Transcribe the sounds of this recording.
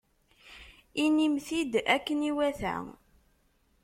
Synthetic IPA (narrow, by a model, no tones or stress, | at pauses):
inimθid̪ækːəniwæθæ̰